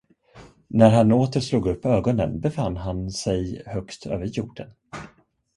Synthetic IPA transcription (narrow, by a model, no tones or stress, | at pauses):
næɾɦanoːt̪əɾʂluːɡɵpːøːɡɔnə̰nbɛfanːɦansɛjhœkt̪ʰø̰ːvəɾjuːɖən